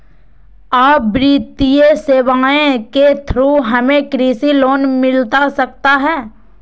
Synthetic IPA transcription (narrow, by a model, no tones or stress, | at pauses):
aːbɾiːt̪ijeseːʋaːẽket̪ʰɾuɦɐmẽkɾiːsiloːnmɪlt̪asɐk̚t̪aɦɛː